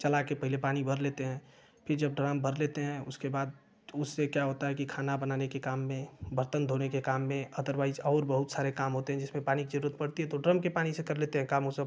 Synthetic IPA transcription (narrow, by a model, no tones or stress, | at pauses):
t͡ʃɐlakepɐɦilepaːnibʱəɾleːt̪eɦɛ̃ | pʰɪɾd͡ʒɐb̚ɖɾaːmbʱəɾlet̪eɦɛ̃ʊskebaːd̪̚ | ʊsːekjaɦoːt̪aɦɛkikʰaːnabənaːnekekaːmːẽbəɾt̪ənd̪ʱonekekaːmːẽəd̪əɾbaːizɔːɾbəɦʊt̪saːɾekaːmɦoːt̪eɦɛ̃d͡ʒɪsmẽpaːnikid͡ʒəɾuɾət̪̚pɐɽt̪iɦɛ̃t̪oɖɾəmkepaːnisekɐɾleːt̪eɦɛ̃kaːmɦʊsə